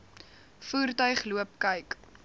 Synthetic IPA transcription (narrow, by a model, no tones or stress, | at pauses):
fuːrtœɥχluəp̚kɐjk